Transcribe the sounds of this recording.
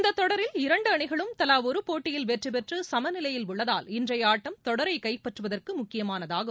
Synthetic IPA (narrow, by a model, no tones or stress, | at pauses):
nd̪ɐt̪ːɔɽɐɾɪlɪɾɐɳɖɯɐɳɪɣɐɭɯmt̪ɐlaːʋɔɾɯpoːʈːɪjɪlʋɛʈrɯpɛʈrɯsɐmɐnɪlɐjɪlʊɭːɐðaːlɪndrɐjaːʈːɐmt̪ɔɽɐɾɐɪkɐɪpːɐʈrɯʋɐðɐrkɯmʊkːɪjɐmaːnɐðaːɣɯ